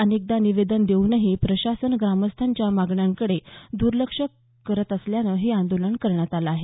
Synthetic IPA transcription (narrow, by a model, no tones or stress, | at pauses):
ənek̚d̪aniʋed̪ənd̪eunəɦipɾəɕasənɡɾaməst̪ʰaɲt͡ɕjamaɡɳjaŋkəɽed̪uɾləkʂəː | əɾət̪əsljanəɦeand̪olənkəɾɳjat̪alaːɦe